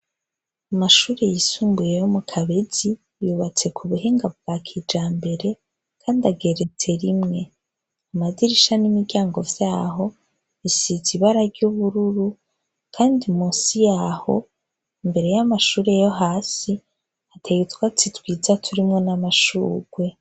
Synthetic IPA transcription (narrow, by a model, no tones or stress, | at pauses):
amaʃuːɾejisuːmbuje̞jomukʰaβe̞zi | juːβat͡se̞kʰuβuɦeːŋɡaβɡakʰid͡ʒaːmbe̞ɾe̞ | kʰaːndaɡe̞ɾe̞t͡se̞ɾimŋe̞ | amaziɾiʃanimiɾɟaːŋɡo̞vjaːho̞ | isiziβaɾaɾɟuβuɾuɾu | kʰaːndimuːsijaːho̞ | imbe̞ɾe̞jamaʃuːɾe̞jo̞ɦaːsi | atʰejutwat͡sitwiːzatʰuɾimŋo̞namaʃuːɡwe̞